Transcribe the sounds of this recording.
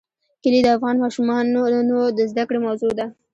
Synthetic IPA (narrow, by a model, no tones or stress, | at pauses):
kəlid̪əafɣɑnmɑʃumɑnnod̪əzd̪akɽemawzod̪a